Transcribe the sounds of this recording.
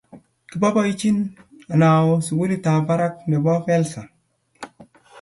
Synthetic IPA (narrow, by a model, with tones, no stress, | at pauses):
ki˨˦ba˦ba˦i˦t͡ʃi˦na˨na˨wo˦su˨ɡu˦li˦ta˨ba˦ɾa˦k̚ne˨bɔ˦fɛ˦lsa˨